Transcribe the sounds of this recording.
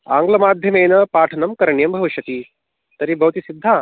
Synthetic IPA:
a̰ːŋɡlɐmaːd̪ʱjɐmeːnɐpaːʈʰɐnɐmkɐɾɐɳjɐmbʱɐʋiʃɐt̪iː | t̪ɐɾibʱɐwt̪isid̪ʱːaː

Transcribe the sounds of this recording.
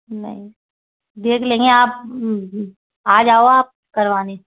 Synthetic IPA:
nɐ̰ɦĩ | d̪eːkʰlẽːŋɡeaːp̚ | aːd͡ʒaːoaːp̚kɐɾʋaːne

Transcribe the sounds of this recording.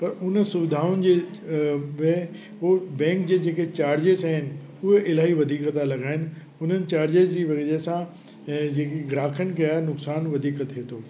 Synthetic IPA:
pɐɾʊnsʊʋɪd̪ʱaːʊnɪ̆d͡ʑeː | ʋe | obɛ̃ːŋkd͡ʑeːd͡ʑeːket͡ɕaːɾd͡ʑeːsaːɦɪnɪ̆ | ʊɦeʔɪlaːɦiʋɐd̪ʱiːkət̪ʰalɐɡaːɪnɪ̆ | ʊn̤ənɪ̆t͡ɕaːɾd͡ʑeːzd͡ʑiːʋɐɡeɾesã | ɛ̃ːd͡ʑeːkeɡɾaːkʰənkɐanʊksaːnʋɐd̪ʱiːkət̪ɦeːt̪ʰoː

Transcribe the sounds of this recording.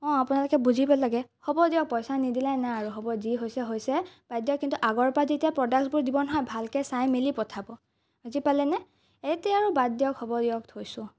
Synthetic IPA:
ɔ̃apʊnalʊkɛbuzʱibɔlaɡɛxɔbɔdiɔk̚pɔjsanidilajnaaɹuɦɔbɔziɦojsɛɦojsɛbadjɔkːintuʔaɡɔɹpazetiapɹɔdak̚sbʊɹdibɔnɔɦɔjbʱalkɛsajmilipɔtʰabɔ | azipalɛnɛ | etɛaɹubadjɔkhɔbɔdijɔktʰojsʊ̃

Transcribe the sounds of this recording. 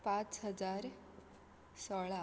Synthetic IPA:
pãt͡sɦəd͡zaɾ | sɔɭa

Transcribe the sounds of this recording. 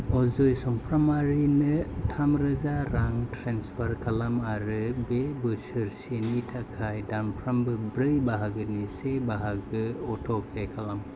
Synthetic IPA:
ɔzɔjsɔmpʰɾamaɾinɯtʰamɾɯzaɾaŋtʰɾenspʰaɾkʰalamaɾɯbebɯsɯɾsenitʰakʰajdanpʰɾambɯbɾɯjbaɦaɡɯnisebaɦaɡɯɔtʰɔpʰekʰalam

